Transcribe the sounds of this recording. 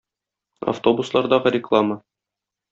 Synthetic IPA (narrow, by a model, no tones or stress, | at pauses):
a̰ft̪o̞buslˠɑɾd̪ɑʁɤɾʲɪklˠamə